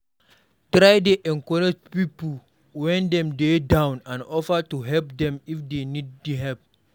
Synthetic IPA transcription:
tɾajdeʔɛ̃ŋkɔɹid͡ʒpipu | wɛ̃ndɛ̃mdedãw̃nãnɔfətuɦɛlp̚dɛ̃mifdenid̚ːuɦɛlp̚

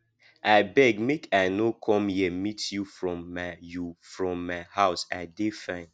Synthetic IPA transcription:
aɪbɛɡmekʰaɪnokʰɔ̃mjɛmitjufɹɔ̃mːajufɹɔ̃mːaɪhaʊsa̰defãɪ̃n

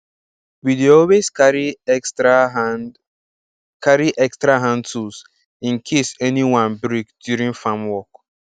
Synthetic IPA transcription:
wideɔlweskaɾi | kaɾiʔɛkstɾaɦãntʰus | ĩŋkʰesɛniwãnbɾikdjuɾĩŋfamwɔk

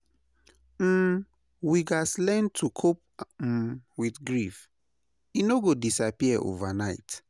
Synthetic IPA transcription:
m̩ | wiɡaslɛ̃ntʰukʰop̩̚ | wiθɡɹif | inoɡodisapiɛʔo̰vanaɪt

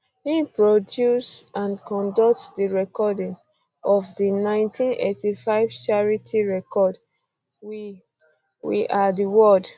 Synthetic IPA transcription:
hipɹodjusãnkɔ̃ndɔk̚tdiɹɛkɔdĩŋ | ɔvdinãɪ̃ntʰĩnḛtifaɪv̥t͡ʃaɹitʰiɹɛkɔd | w | wḭʔadiwɔd

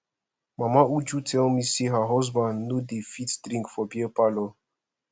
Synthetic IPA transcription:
mamaud͡ʒutɛ̃misiɦaɦɔz̬bãndnodefitdɾĩŋkfɔbiepalɔ

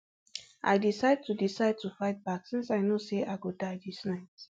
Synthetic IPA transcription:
ʔa̰ɪdisaɪd̚tudisaɪd̚tufaɪt̚baksĩnsaɪnoseʔaɪɡudaɪdisnaɪt

